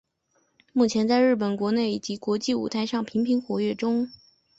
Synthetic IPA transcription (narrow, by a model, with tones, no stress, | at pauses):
mu˥˩t͡ɕʰjɛ˧˥nt͡sa˥˧ɪɻɻ̩˥˩p̬ə˨˩nkwɔ˧˥ne˥˩ɪ˨˩t͡ɕi˧˥kwɔ˧˥t͡ɕi˥˩ṵ˨˩t̪ʰa˧˥ɪʂɑ˥˩ŋpʰi˧˥ŋpʰi˧˥ŋxwɔ˧˥ɥɛ˥˩ʈ͡ʂʊ˥ŋ